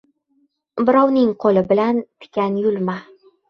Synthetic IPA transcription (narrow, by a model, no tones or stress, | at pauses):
bɪ̆ɾɑwnɪŋqʰolɘbɘ̆lænt̪ʰɪ̥kʲænjulma